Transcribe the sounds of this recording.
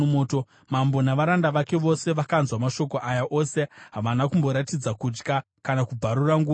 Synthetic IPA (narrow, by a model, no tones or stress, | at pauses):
moːto̞ | mambo̞naʋaɾandaʋake̞ʋo̞se̞ʋakanzwamaʃo̞ko̞ʔajaʔo̞se̞ɦaʋanakumbo̞ɾatid͡zakud͡ʒka | kanakub͡vʱaɾuraŋɡuː